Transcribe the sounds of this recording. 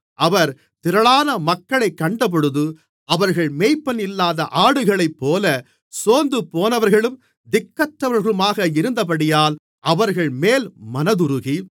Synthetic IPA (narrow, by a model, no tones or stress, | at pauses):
ʔɐʋɐɾ | t̪ɪɾɐɭaːnɐmɐkːɐɭɐɪkːɐɳɖɐp̬ɔɽɯðɯ | ɐʋɐɾɣɐɭmeːjpːɐnɪlːaːðɐʔaːɽɯɣɐɭɐɪpːoːlɐ | soːnd̪ɯpoːnɐʋɐɾɣɐɭɯm | d̪ɪkːɐʈɾɐʋɐɾɣɐɭɯmaːɣɐɪɾɯnd̪ɐp̬ɐɽɪjaːl | ʔɐʋɐɾɣɐɭmeːlmɐnɐðɯɾɯɣi